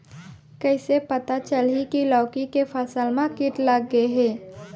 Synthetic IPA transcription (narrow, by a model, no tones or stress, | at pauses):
kəɪsepɐt̪at͡ʃəlɦikilɔːkikefʰəsəlmãkɪʈləɡːəeɦɛ̃ː